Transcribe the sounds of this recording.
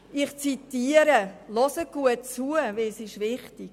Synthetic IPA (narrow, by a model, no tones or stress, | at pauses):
ɪχt͡sitiːəɾəlɔsəɡ̥uətt͡suəvesɪʃʋɪχtik